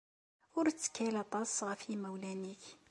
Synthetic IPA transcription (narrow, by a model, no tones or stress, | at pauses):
ʊɾt͡sːə̥kːælɑt̪ˤɑsʁəfimæwlæniç